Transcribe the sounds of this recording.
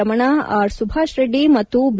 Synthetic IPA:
ɐmɐɳaaːɾsubʱaːʃɾeɖimɐtt̪ːub

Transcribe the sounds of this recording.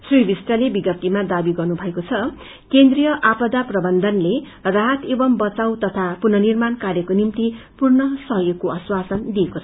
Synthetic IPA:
sribisʈʌlebiɡʌt̪ːimad̪abiɡʌrnubʱʌekot͡sʰʌ | kend̪rijʌʔapʌd̪aprʌbʌnd̪ʱʌnle | raɦʌt̪ebʌmbʌt͡sawt̪ʌt̪ʰapunʌnirmankaɾjʌkonimt̪ipurnʌsʌɦjoɡkoʌswasʌnd̪iekot͡sʰʌ

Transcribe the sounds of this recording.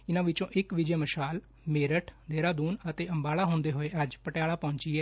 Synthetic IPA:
ɪnãːʋɪt͡ʃõːʔɪkʋɪd͡ʒeːməʃaːl | meːɾəʈʰd̪eːɾaːd̪uːnət̪eːəmbaːɭaːɦʊ̃nd̪eːɦoːeːəd͡ʒpəʈjaːɭaːpɔ̃ːɲt͡ʃiːɛː

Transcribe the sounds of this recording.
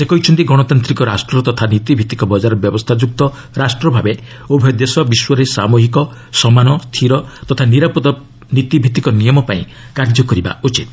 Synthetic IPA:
sekɔɦit͡ʃʰɔnt̪iɡɔɽ̃ɔt̪ant̪ɾikɔɾasʈɾɔt̪ɔt̪ʰanit̪ibʱit̪i̥kɔbɔd͡ʒaɾɔbjɔbɔst̪ʰad͡ʒuk̚t̪ɔ | ɾasʈɾɔbʱabe | obʱjɔd̪esɔbiswɔɾesamoɦikɔ | sɔmanɔst̪ʰiɾɔt̪ɔt̪ʰaniɾapɔt̪ɔ | nit̪ibʱit̪ikɔnijɔmɔpaĩ | kaɾd͡ʒɔkɔɾiba̰ut͡ʃit̪

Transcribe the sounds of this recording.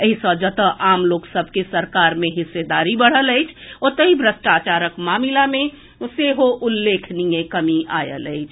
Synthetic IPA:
əɦisəd͡ʒət̪əʔamloksəbʱkesəɾkaɾmeɦɪsːed̪aɾibəɽ̤ələjt͡ʃʰɔt̪əɦibʱɾəsʈat͡ʃaɾəkmamilamẽ | seɦoʔulːekʰnijekəmiʔa̰jə̰lə̰ɪt͡ʃʰ

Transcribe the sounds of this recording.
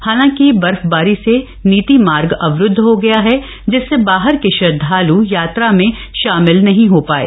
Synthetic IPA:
haːlãːkibɐɾfbaːɾise | niːt̪imaːɾɡɐʋɾʊd̪ʱːɦoɡɐjaɦɛ | d͡ʒɪsːebaːɦəɾkeʃɐd̪ʱaːlujaːt̪ɾamẽ | ʃaːmɪlnɐɦĩɦoːpaːḛː

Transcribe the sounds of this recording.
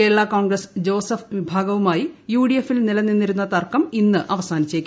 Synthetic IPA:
eːɭːakoːɳɡrɐsd͡ʑo̞ːsɐfʋibʱaːɡɐʋumaːjijuːɽijefːilnilɐnːinːiɾunːɐt̪ɐrkɐminːɨʔɐʋɐsaːnit͡ɕːekʲː

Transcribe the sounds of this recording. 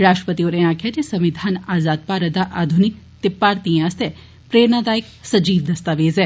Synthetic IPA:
ɾaːʃʈɾə̥pət̪ioɾenakʰjad͡ʒesɐʋid̪ʱanaːzaːd̪̚paɾəd̪aʔaːd̪ʱunik | t̪ipːaːɾt̪ĩast̪e | pɾeːɾnad̪aːjik | sɐd͡ʒiːʋd̪ɐst̪aʋeːze

